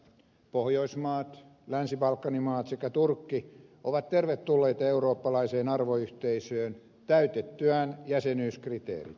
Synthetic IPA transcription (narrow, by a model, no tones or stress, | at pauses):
pohjoismɑːt̪ | lænsipɑlkːɑnimɑːt̪sekːæt̪urkːiʔoʋɑt̪t̪erʋet̪ːulːeːt̪ɑeuɾoːpːɑlɑiseːnɑrʋoyht̪eisøːn | t̪æyt̪et̪ːyæːnjæsenyːskrit̪ḛːrḭt̪